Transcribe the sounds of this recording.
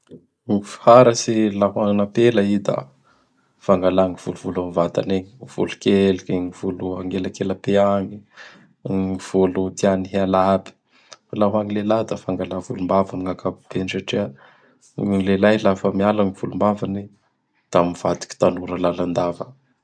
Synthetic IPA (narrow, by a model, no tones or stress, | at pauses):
mifi̥haɾəsilaɦwaŋinapelaid̪a̰ | faŋɡalaŋiv̥uluvulamivat̪a̰neɲiv̥ṵlukelkeŋiv̥uluaŋɡelakelapeaŋi | iv̥olut̪ianiɦalabi̥ | falaɦwaŋilelad̪afaŋɡalavulumbavamiŋakʰabib̥ensaʈ͡ʂia | ŋlelajlafəmialaŋiv̥ulumbavani | d̪̥amiv̥ad̪i̥ki̥t̪anuɾəlaland̪avə